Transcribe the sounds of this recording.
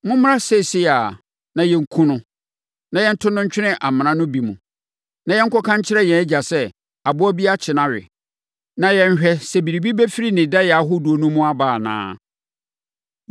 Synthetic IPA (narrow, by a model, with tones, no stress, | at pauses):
mʊ̃˦m˦ɾã˦sɛ˦˨si˦a˨ | nã˨jɛ˦ŋ̩˦kʰũ˦nʊ̃˦ | nã˨jɛ̃˦n̩˦tʰʊ˦nʊ̃˦ɲ̩˦t͡ɕᶣɪ˦nɪ̃˦ʔa˨m̃˨nã˦nʊ̃˦bi˨mũ˨ | nã˨jɛ˦ŋ̩˦kɔ˦kʰã˦ɲ˦t͡ɕʰɪ˦ɾɛ˦jɛ̃˨æ˦d͡ʑa˨sɛ˦ | a˨bʊ˦ɔ˦bi˦a˦t͡ɕʰɪ˨nã˦ɥɪ̰˨ | nã˨jɛ̃˦ɲ˦ɕᶣɛ˦sɛ˨bi˨ɾi˨bi˦bɛ˦fi˦ɾi˦nɪ̃˨da˦jɛ˨a˨˦ɦo˦du˨o˨nũ˦mũ˦a˦baː˨nã̰ː˦